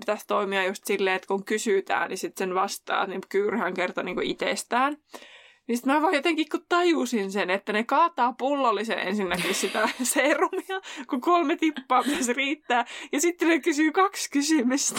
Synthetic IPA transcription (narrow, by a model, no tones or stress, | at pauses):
pi̥t̪æst̪oimiɑjust̪silːeːet̪kuŋkysyt̪æ̰ːnnisit̪senʋɑst̪ɑ̰ːtnikyːrhæŋkert̪ɑniːŋkuʔit̪est̪æːn | nisit̪mæʋɑːjot̪eŋkikkutt̪ɑjusinsenet̪ːænekɑːt̪ɑːpulːɑlːisḛʔḛnsinːækissit̪æseːrumiɑkukolmet̪ipːɑːpitæsriːt̪ːæːjɑsit̪ːenekysyːkɑkskysymyst̪